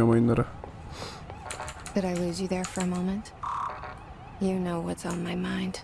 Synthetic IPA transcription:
əmãɪ̃nd̪əɾa | ðɨɾaɪlʉzjɨðə˞fə˞ɨmõʊ̃mɨ̃nt | jɨnoʊwʌtsn̩maɪmãɪ̃nd̥

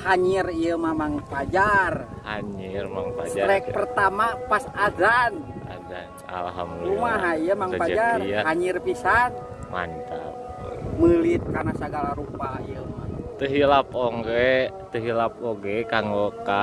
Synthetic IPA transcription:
haɲirijəmamaŋpad͡ʒarhaɲirmaŋpad͡ʒaɾɛk̚pərt̪amapasazana̰dansa̰laɦamumaɦaijəmaŋpad͡ʒarahaɲirpisan | ma̰nt͡ʃ̪a̰ | məlit̪̚karnasaɡalaɾupaijəmat̪əɦilapoŋɡɛt̪əɦilap̚oɡɛkaŋoka

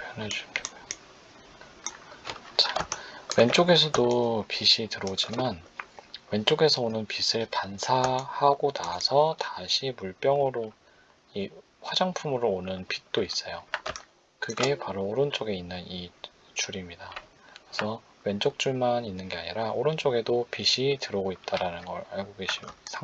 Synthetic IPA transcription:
pjʌned͡ʑuioɡ | t͡ɕḁwe̞nt͡ɕ͈oɡe̞sʰʌdopiɕʰitɯɾʌod͡ʑimanwe̞nt͡ɕ͈oɡe̞sʰʌonɯnpisʰɯɭkansʰahaɡonasʰʌtaɕʰimuɭp͈jʌŋɯɾo | i | ɸwad͡ʑaŋpʰumɯɾoonɯnpit̚t͈ois͈ʌjo | kɯɡe̞paɾoːɾɯnt͡ɕ͈oɡe̞inːɯni | t͡ɕuɾimɲida | esʰʌ | we̞nt͡ɕ͈ok̚t͡ɕ͈uɭmaninːɯnɡe̞aɲiɾaoɾɯnt͡ɕ͈oɡe̞dopiɕʰitɯɾʌɡoit̚t͈aɾanɯnɡʌ̰ɾaɭɡoɡeɕʰisʰa

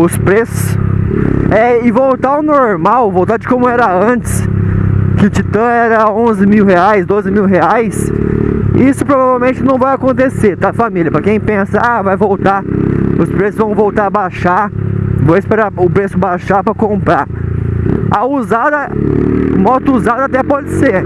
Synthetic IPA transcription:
ʊspɾesʊ̥s | ɛɪvowt̪aʊnoɾmawvowt̪aɾd͡ʒɪkõmʊɛɾɐɐ̃t͡ʃɪ̥s | kɪt͡ʃit̪ɐ̃ɛɾɐõzɪmiwheajsd̪ozɪmiwɦeajs | isʊpɾovavewmẽnt͡ʃɪnɐ̃w̃vajakõnt̪eseɾt̪afamilʲjɐpɾɐkẽj̃pẽsɐavajvowt̪aʊspɾesɪzvɐ̃w̃vowt̪aɾɐbaʃavõɪspeɾaʊpɾesʊbaʃapɾɐkõmpɾa | ɐuzad̪ɐ | mɔt̪ʊuzad̪ɐat̪ɛpɔd͡ʒɪseɾ

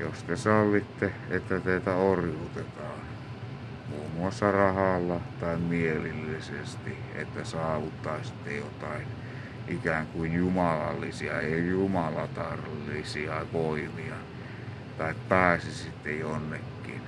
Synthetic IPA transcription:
jost̪esɑlːit̪ːeet̪ːæt̪eit̪æorjut̪et̪ɑːn | muːmuɑsːɑrɑhɑlːɑt̪ɑimmielilːisest̪i | ḛt̪ːæsɑːʋut̪ːɑisi̥t̪ːejot̪ɑin | ʔikæːŋkuinjumɑlɑ̰lːisiɑ̰ejumɑlɑt̪ɑrlisiɑʋoimiɑ | t̪ɑikt̪ɑˑisisit̪ːejonːekːin

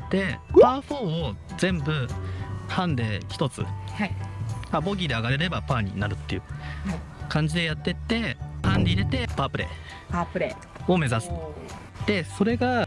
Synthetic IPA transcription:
d̪̥e̞paːɸoːozẽ̞mbɯ̟ | hãnd̪e̞çʲi̥t̪o̞t͡sɨ̰haabo̞ɡʲid̪e̞aɡaɾe̞ɾe̞bapãɲ̟ḭnaɾɯ̟t̪ːe̞jɯ̟ | kãɲ̟d͡ʑid̪e̞jat̪ːe̞t̪ːe̞pãnd̪eiɾe̞t̪e̞paːpɯ̟ɾe̞̰ | papɯ̟ɾe | o̞me̞zasɨ̥ | d̪̥e̞so̞ɾe̞ɡa

